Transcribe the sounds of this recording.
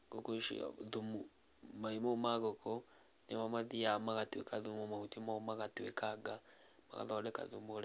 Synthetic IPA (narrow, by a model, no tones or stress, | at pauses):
ɡokoʃḭðumu | maimomaɣoko | nemamaðiamaɣatwḛkaðumumaɣutimaomaɣatwekaɡa | ma̰ɣa̰ðɔdɛka̰ðumoɾ